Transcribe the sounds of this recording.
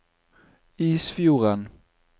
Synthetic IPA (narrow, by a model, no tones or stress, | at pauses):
iːsfjuːʁan